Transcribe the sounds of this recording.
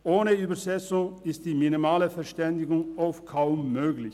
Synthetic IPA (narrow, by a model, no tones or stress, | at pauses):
ʔoːnəyːbɐzɛt͡sʊŋɪst̚d̥iːminimaːləfɛɐʃtɛndɪɡʊŋʔɔʊftkʰaʊmːøːɡlɪç